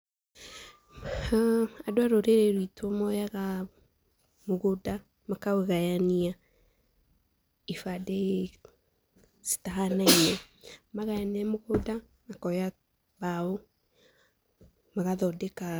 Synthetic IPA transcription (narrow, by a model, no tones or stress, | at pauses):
adoaɾoɾeɾeɾwitʰomɔjaɣa | moɣoda | makaweɣajania | ifade | si̥taɦanainɛmaɣajaniamoɣoda | makɔja | bao | maɣaðɔdɛka